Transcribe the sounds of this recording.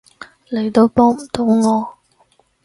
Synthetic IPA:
le˨˩jt̪o˧wpɔː˥ŋm̩˨˩t̪o˨˥wŋɔː˨˧

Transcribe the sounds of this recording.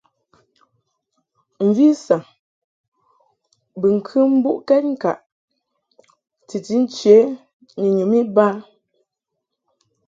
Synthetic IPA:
m̩˨vi˦sa˨ | bɨ˨ŋ̩˨kʰɨ˦m̩˦bu˦ʔkɛ˦t̚ŋ̩˦˨ka̰˨ʔ | ti˨ti˨˦n̩˦t͡ʃe˨˦ | ni˨ɲu˨mi˦ba˦

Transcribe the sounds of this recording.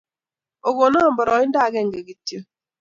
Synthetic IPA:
o˨ɡo˨nɔ˦˨mbɔ˨ɾɔ˨˦ɪ˦n˦da˦˨˦ɡɛ˦˨ŋ˨ɡe˨ɡi˨tjo˦

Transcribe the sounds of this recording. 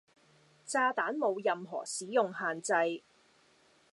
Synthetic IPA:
t͡saː˧t̪aː˨˥nmo˨˧wjɐ˨˧mɦɔ̰ː˨˩siː˨˥jʊ˨ŋhaː˨nt͡sɐ˧j

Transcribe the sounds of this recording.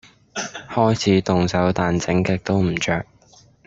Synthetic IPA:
hɔː˥jt͡sʰiː˨˥t̪ʊ˨ŋsɐ˨˥wt̪aː˨nt͡sɪ˨˥ŋkɛ˧k̚t̪o˥wm̩˨˩t͡ʃœː˧˨k̚

